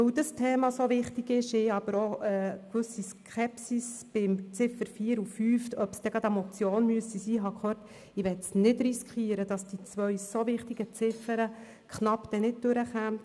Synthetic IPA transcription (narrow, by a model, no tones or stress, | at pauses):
ɵwdəstʰeːmɑsovɪχtiɡɪʃɪɑb̥əɾoəkʋʏsiskχɛpsisb̥ɪmt͡sɪfəɾfiːəɾufyːftœpsd̥̪ɛɡ̥ɑd̪ɛmɔt͡sjoːnmyəsisiːɦɑkʰhøːrt | ɪʋɛtsnɪdɾiskχiːəɾəd̥ɑsd̥it͡sʋœɥsovɪχtiɡət͡sɪfəɾə | kχnɑpd̥ɛnɪt̚d̥øɾəχæmt